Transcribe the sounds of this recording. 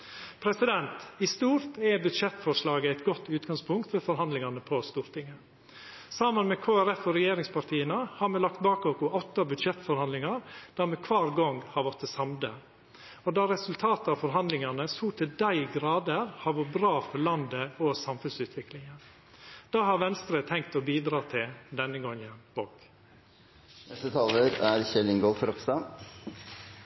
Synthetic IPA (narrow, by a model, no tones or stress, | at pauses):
pʰɾɛsɪd̪ɛnt̪ɪst̪uːɾt̪ɛbʉd̪ʂɛt̪ːfɔʂlɑːɡəæɪt̪ɡɔt̪ːʉːt̪ɡɑŋspʰʊŋkt̪fɔfɔɾɦɑnd̪lɪŋɑnəpʰɔst̪uːɾt̪ʰɪŋːə | sɑmənmɛkʰoːæɾɛfɔɾɛjeːɾɪŋspʰɑʈʰiːənəhɑɾmɛlɑk̚t̪̚bɑːkɔkʊʔɔt̪ːɑbʉd̪ʃɛt̪fɔɾhɑnd̪lɪŋɑɾd̪̥æɾmɛkʰʋɑːɾɡɔŋhɑɾʋɔʈt̪əsɑmd̪ə̰ | ɔd̪ɑɾɛsʉlt̪ʰɑːt̪əɑfɔɾɦɑnd̪lɪŋɑnəsuːt̪ʰɪld̪æɪɡɾɑːd̪əɾhɑɾʋɔbɾɑːfɔɾlɑnd̪əɔsɑmfʉnsʉːt̪ʰʋɪklɪŋən | d̪̥ɑːhɑɾʋɛnst̪əɾət̪ʰɛŋk̚t̪ɔbiːd̪ɾɑːt̪ʰɪld̪ɛnːəɡɔŋːənb̥ok | nɛst̪ət̪ʰɑːləɾæɾçɛlɪŋɡɔlfɾɔkst̪ɑ